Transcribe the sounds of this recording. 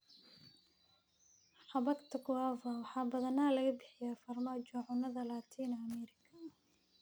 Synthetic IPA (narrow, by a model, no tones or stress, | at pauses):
ħɑβɐkt̪ʰɐɡʊaːvɐwɑħɑːbɐðɐnalɐɣɐbɪħɪjaːfɐrmaːd͡ʒɔʕʊnɐðɐlaːt̪ʰiːnɐmɛːɾɪkʰɐ